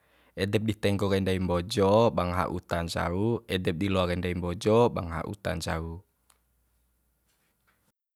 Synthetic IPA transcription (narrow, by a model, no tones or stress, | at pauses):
ɛdɛp̚dit̪ɛŋɡɔkandaimbɔd͡ʒɔbaŋɦa̰ʔṵt̪and͡ʒa̰uɛdɛp̚dilɔakɛndaimbɔd͡ʒɔba̰ŋɦa̰ʔṵt̪a̰nd͡ʒau